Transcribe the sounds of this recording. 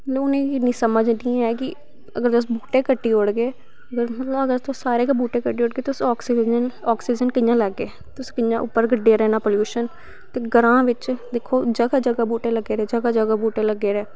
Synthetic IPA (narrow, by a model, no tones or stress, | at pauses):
lːʊnẽːɪnĩːsəməd͡ʒd̪iãːɛːkɪ | əɡəɾt̪ʊs̬buːʈeːkəʈːiːoːɽɡeː | əɡəɾləɡəɾt̪ʊssaːɾeːkbuːʈẽːkəʈːiːoːɽɡeːt̪ʊsɔːksid͡ʒənɔːksiːd͡ʒənkəjãːləɡːeː | t̪ʊskəjãːʔʊ̰pːəɾɡəɖeːɾɛːnãːpoljuːʃən | t̪eːɡəɾãːʋɪt͡ʃd̪eːkʰːoːd͡ʒəɡaːd͡ʒəɡaːbuːʈeːləɡːeːɾɛːd͡ʒəɡaːd͡ʒəɡaːbuːʈeːləɡːeːɾɛː